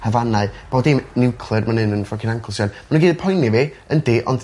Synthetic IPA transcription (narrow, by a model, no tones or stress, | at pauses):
həvanaɨb̥oːdimnɪwkʰlˠɨrmanɨnənfɔkʰɪnaŋkʰlˠsjanmanunɡiːðəpʰɔjnive | əndɪʔɔ̰nd